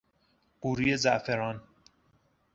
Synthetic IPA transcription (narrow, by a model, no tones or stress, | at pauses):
b̥uɾijezæʔfeɾɒːn